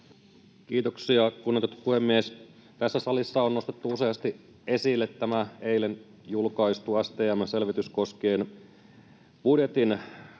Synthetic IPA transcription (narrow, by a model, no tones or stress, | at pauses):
kiːt̪oksiɑkunːet̪ot̪puhemːies | t̪æsːæsɑlisːɑonno̞st̪et̪ːuuse̞ɑst̪i | e̞silːet̪ːæmæe̞ilen | julkɑist̪uæst̪eːæmːæse̞lʋit̪ysko̞skeːn | b̥udje̞t̪in